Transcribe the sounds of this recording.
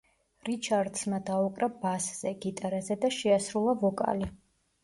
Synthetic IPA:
ɾit͡ʃʰaɾd̪smad̪aukʼɾabasz̥ɛɡit̪ʼaɾazɛd̪aʃɛasɾulˠavɔkʼa̰li

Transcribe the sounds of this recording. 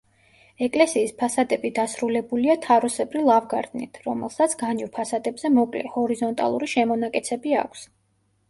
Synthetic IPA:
ɛkʼlɛsiːspʰasad̪ɛbid̪asɾulɛbuliat̪ʰaɾɔsɛbʼɾilˠavɡaɾt̪ʼnḭt̪ʰɾɔmɛlˠsat̪sʰɡanivpʰasad̪ɛbz̥ɛmɔkʼlɛ̰hɔɾizɔnt̪ʼa̰lˠṵɾiʃɛmɔnakʼɛt̪sʰɛbia̰kʷʰs

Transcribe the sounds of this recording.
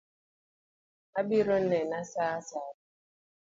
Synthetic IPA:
abiɾɔn̩nɛnasaːasaː

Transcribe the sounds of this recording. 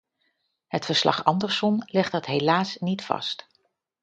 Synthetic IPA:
ɦətfəɹslɑ̰χɑndəɹsɔnlɪχt̚dɑtɦejlaːsnitfɑ̰st

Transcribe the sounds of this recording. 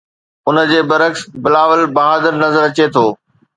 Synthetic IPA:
ʊnə̆d͡ʑeːbɐɾəksbɪlaːʋəlbɐɦaːd̪əɾnɐzəɾɐt͡ɕet̪ʰoː

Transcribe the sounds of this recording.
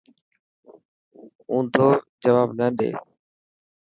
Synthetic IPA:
ũːt̪ʰoːd͡ʒəʋaːbnəɗḛː

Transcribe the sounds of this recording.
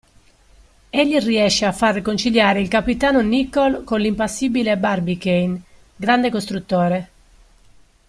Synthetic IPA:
eʎːiriɛʃːeafarːekont͡ʃiʎjaːɾeilkapit̪aːnonikːɔlkonlimpasːiːbilebarbikejn | ɡɾand̪ekost̪ɾut̪ːɔːɾe

